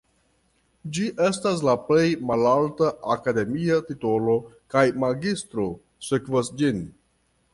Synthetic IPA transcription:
d͡ʒiʔe̞stas̬laple̞jmalaltaʔakade̞miatito̞lo̞kajmaɡistɾo̞ | sekvasd͡ʒin

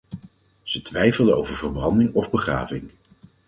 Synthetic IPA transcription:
z̥ətʋɛjfəlˠdəo̰wvəɹvəɹbɑndɪŋɔvbəχra̰ːvɪŋ

